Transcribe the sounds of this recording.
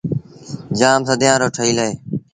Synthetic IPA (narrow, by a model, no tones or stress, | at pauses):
d͡ʒaːmsəd̪jãːɾoːʈʰəiːləeː